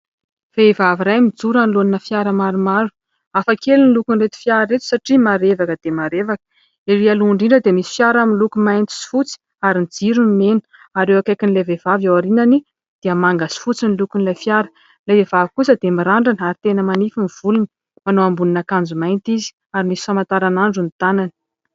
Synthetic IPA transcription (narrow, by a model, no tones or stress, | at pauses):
v̥evaviɾajmid͡zuɾaniloninəfjaɾəmaɾumaɾu̥ | afakelunilukunret̪u̥fjaɾaɾet̪u̥saʈ͡ʂimaɾevakəd̪̥emaɾevakə̥ | eɾialuuɳɖ͡ʐiɳɖ͡ʐəd̪emisi̥fjaɾaminlukumajnt̪i̥si̥fut͡si̥ | aɾinid͡ziɾunimenə̥ | aɾewakajkinilevevavawaɾinani | d̪̥iəmaŋɡasi̥fut͡sinilukunlajfjaɾə̥ | lajvevavikusəd̪emiɾaɳɖ͡ʐanaɾit̪enəmanifiniv̥ulunə̥ | manoambuninakand͡zumajnt̪izi̥ | aɾimisi̥famant̪aɾanaɳɖ͡ʐunit̪anani̥